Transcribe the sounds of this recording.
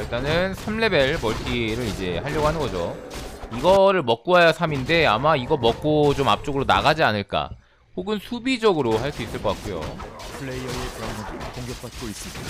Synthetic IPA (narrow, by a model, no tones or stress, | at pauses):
iɭt͈anɯnsʰamle̞be̞ɭmʌɭt͈iɾɯɾid͡ʑe̞haʎːʌɡoɦanɯnɡʌd͡ʑo | iɡʌɾɯɭmʌk̚k͈uajasʰaminde̞amaiɡʌmʌk̚k͈ot͡ɕoma̰p̚t͡ɕ͈oɡɯɾona̰ɡad͡ʑianɯɭk͈a̰ | hoɡɯnsʰubid͡ʑʌɡɯɾohaɭs͈uis͈ɯɭk͈ʌk͈ak͈ujo̰pʰɯɭeiʌepɯɾaŋdkoŋɡjʌk̚k͈ʰatʰɡois͈ɯmida